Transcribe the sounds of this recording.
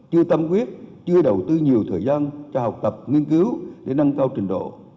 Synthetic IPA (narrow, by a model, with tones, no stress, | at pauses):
t͡ɕɨ˧ət̪ə˧mkwi˦˥ət̚t͡ɕɨ˧əɗə˨˩wt̪ɨ˧ɲi˨˩əwt̪ʰəː˨˩jzaː˧nt͡ɕɔ˧ɦa˨˩wk͡p̚t̪ə˨˩p̚ŋi˧ənkɨ˨˦wɗe˧˩na˧ŋkaː˧wt͡ɕï˨˩ŋ̟ɗo̰˧˨